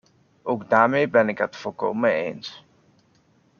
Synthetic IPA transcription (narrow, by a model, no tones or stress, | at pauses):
ʔowɡdaːɹmejbɛnɪkɦətfɔlˠko̰wməḛjns